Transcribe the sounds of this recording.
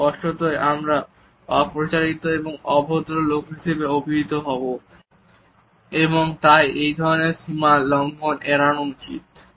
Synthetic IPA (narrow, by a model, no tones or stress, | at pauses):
kɔʃʈot̪oeʔamɾa | ɔpɾot͡ɕaɾit̪oeboŋɔbʱod̪ɾolokɦiʃebeobʱiɦit̪oɦɔbo | eboŋt̪ajʔejd̪ʱɔɾoneɾʃimalɔŋɡoneɾanomt͡ɕḭt̪